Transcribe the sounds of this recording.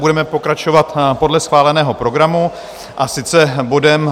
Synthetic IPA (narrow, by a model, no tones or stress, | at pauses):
budɛmɛpo̞kɾat͡ʃo̞vat̪po̞dlɛsxvaːlɛnɛːɦo̞pɾo̞ɡɾamu | ʔasɪt͡sɛbo̞dɛm